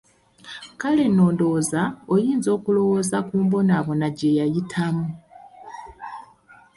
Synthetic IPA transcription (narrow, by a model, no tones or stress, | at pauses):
kale̞no̞ːndo̞zaojiːnzo̞ːkulo̞wo̞ːzakuːmbo̞naβo̞naɟe̞jajitʰamu